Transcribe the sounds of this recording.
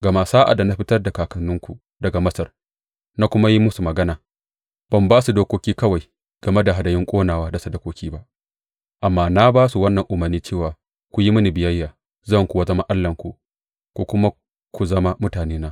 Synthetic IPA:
ɡɐ˨ma˨saː˦ʔa̰˨da˨na˦ɸɪ˦tɐ˦rda˨kaː˨kɐ˨nːʊ˦ŋkʷu˨ | dɐ˨ɡa˨mɐ˦sɐ˨r | na˦kʷʊ˦ma˦ji˦mʊ˦su˨mɐ˨ɡɐ˦naː˨ | b̥ɐ˦˨mbaː˦su˨doː˦kʷoː˦kʲiː˦kɐ˦wa˨j | ɡ̥ɐ˨me˦da˨ɦa˨dɐ˨jɪ˦ŋkʷʼoː˦naː˨waː˦da˨sɐ˨dɐ˦kʷoː˦kʲiː˦ba˦ʔ | ʔa˨mːaː˦˨na˦baː˦su˨wɐ˦nːɐ˨ŋʔʊ˨mɐ˨rniː˦t͡ʃeː˦˨waː˨ | kʷu˨ji˦mʊ˦ni˨bɪ˨jɐ˦jːaː˨ | zɐ˦˨ŋkʷu˨wɐ˦zɐ˦ma˦ʔa˦lːɐ˨ŋkʷu˨ | kʷu˨kʷʊ˦ma˦ | kʷu˨zɐ˦ma˦mʊ˦taː˨neː˦naː˦

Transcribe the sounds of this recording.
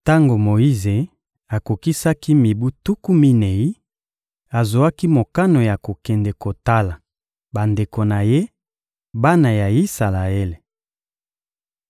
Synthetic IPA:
ta˦ŋɡo˨mo˨i˦ze˨ | a˨ko˨ki˦sa˦ki˦mi˨bu˦tu˦ku˦mi˦ne˨i˦ | a˨zo˨a˦ki˦mo˨ka˦no˨ja˨ko˨kɛ˨ndɛ˨ko˨ta˦la˨ | ba˨nde˨ko˨na˨je˦ | ba˦na˨ja˨i˦sa˨la˨e˦le˨

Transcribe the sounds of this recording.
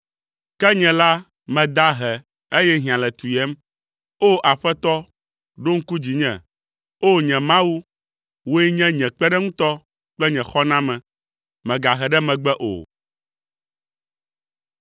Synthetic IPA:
kɛ˦ɲɛ̃˨la˦ | mɛ̃˨d̪a˦ɦɛ˨ | e˦jɛ˦ɦĩ˨ã˨lɛ˨t̪u˨jɛ˦m | o˦ʔa˨ɸɛ˦t̪ɔ˦ | ɖo˦ŋ̩˦ku˦d͡ʑi˨ɲɛ̃˨ | o˦ɲɛ̃˨mã˦wu˦ | wo˦ɛ˦ɲɛ̃˦ɲɛ̃˨k͡pɛ˦ɖɛ˦ŋũ˦t̪ɔ˦ | k͡plɛ˦ɲɛ̃˨xɔ˦nã˦mɛ̃˨ | mɛ̃˨ɡa˨ɦɛ˨ɖɛ˦mɛ̃˨ɡ͡bɛ˦ʔo̰˨

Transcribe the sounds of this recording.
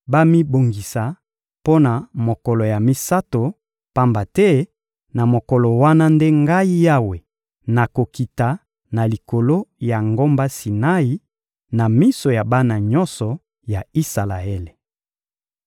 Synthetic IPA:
ba˦mi˦bo˨ŋɡi˨sa˨ | po˦na˨mo˨kɔ˨lɔ˨ja˨mi˦sa˦to˨ | pa˦mba˨tɛ˦ | na˨mo˨kɔ˨lɔ˨wa˦na˦nde˦ŋɡa˦i˦ja˦we˨ | na˨ko˨ki˨ta˨ | na˨li˨ko˨lo˦ja˨ŋɡo˦mba˦si˨na˦i˦ | na˨mi˦so˨ja˨ba˦na˨ɲɔ˦nsɔ˨ | ja˨i˦sa˨la̰˨e˦le˨

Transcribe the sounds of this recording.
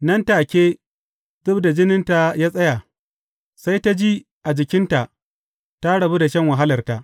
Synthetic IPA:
nɐ˦ntaː˨kʲeː˦ | dʊ˦bda˨d͡ʒɪ˦nɪ˦nta˨jaː˦sʼɐ˦ja˨ | sa˦jta˦d͡ʒiː˦ | ʔa˨d͡ʒɪ˨kʲɪ˦nta˨ʔ | ta˦ɽɐ˨bu˦da˨ʃɐ˦ŋwa˨ɦa˦lɐ˨rta˨ʔ

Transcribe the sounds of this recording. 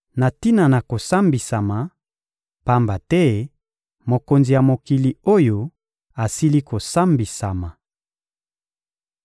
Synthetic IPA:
na˨ti˦na˨na˨ko˨sa˦mbi˨sa˨ma˨ | pa˦mba˨tɛ˦ | mo˨ko˨nzi˨ja˨mo˨ki˨li˨o˦jo˨ | a˨si˦li˦ko˨sa˦mbi˨sa˨ma˨

